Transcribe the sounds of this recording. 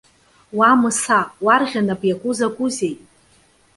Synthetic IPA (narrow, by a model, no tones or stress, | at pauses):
wamɨsawarʁʲanapʼjakʷʼʊzaɡʷʼʊze̞jtʼ